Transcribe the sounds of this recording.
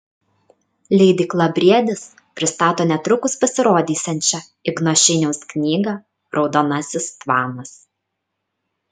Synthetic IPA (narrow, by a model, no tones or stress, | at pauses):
lʲɛɪd̪ʲiːklˠɐbʲɾʲiɛd̪ʲɪs | pʲɾʲɪst̪ɑːt̪oːnʲɛt̪ɾʊkʊspɐsʲɪɾoːd̪ʲiːsʲɛnʲt͡ʃʲɛ | ɪɡnoʃʲɪnʲɛʊsknʲiːɡɐ | ɾɒʊd̪oːnɐsʲɪst̪ʋɑːnɐs